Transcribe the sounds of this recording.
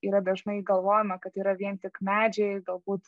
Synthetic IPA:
iːɾɐd̪ʲɐʒnɐɪɡɐlˠʋoːjɪmɐkɐt̪iːɾɐʋʲiɛnt̪ʲɪkmʲæːd͡ʒʲɛɪɡɐlˠbuːt̪

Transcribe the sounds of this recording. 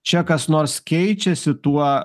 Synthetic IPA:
t͡ʃʲɛkɐsnoːɾskʲɛɪt͡ʃʲɛsʲɪt̪uɔ

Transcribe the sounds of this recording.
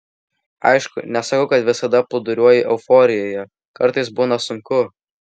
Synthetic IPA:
ɐ̰ɪʃkʊ̰nʲɛsɐkɐʊkɐt̪ʋʲɪsɐd̪ɐpʊd̪ʊɾʲuɔjɪʔɛʊfɔːɾʲɪjoːjɛ | kɐɾt̪ɐɪsbuːnɐsʊŋkʊ

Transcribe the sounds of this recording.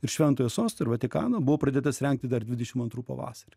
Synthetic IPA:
ɪɾʃʲʋʲɛnt̪oːjoːsoːst̪ɐɪɾʋɐt̪ʲɪkɑ̰ːnobʊʋoːpɾɐd̪ʲeːt̪ɐsɾʲɛŋk̚t̪ʲɪd̪ɐɾd̪ʲʋʲɪd̪ʲɛʃʲɪmɐnt̪ɾuːpɐ̰ʋɑ̰ːsɐɾʲi

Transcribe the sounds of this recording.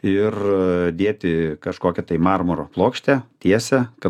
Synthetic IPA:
ɪrd̪ʲeːt̪ʲɪkɐʃkoːkʲɛt̪ɐɪmɑːrmoɾoplˠoːkʃʲt̪ʲɛt̪ʲiɛsʲɛkɐ

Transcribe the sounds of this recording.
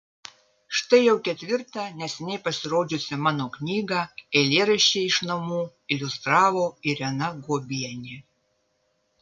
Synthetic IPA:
ʃt̪ɐɪjɛwkʲɛt̪ʲʋʲɪɾt̪ɐnʲɛsʲɛnʲɛjpɐsʲɪɾoːd͡ʒʲʊsʲɪmɑːnoknʲiːɡɐɛlʲeːɾɐʃʲt͡ʃʲɛɪʃnɐmuː | ɪlʲʊst̪ɾɑːvoɪɾʲɛnɐɡobʲijɛnʲɪ

